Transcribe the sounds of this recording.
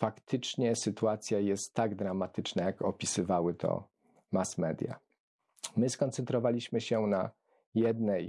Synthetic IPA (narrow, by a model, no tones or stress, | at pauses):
fakt̪ʰɘt͡ʂɲɛsɘt̪uat̪sʲjajɛst̪ːaɡd̪ɾamat̪ɘt͡ʂnajakɔpʲisɘvawɘt̪ʰɔ̰ | masmɛd̪ʲja̰ | mɘskɔnt̪sɛnt̪ɾɔvalʲiɕmɘɕɛna | jɛd̪nɛj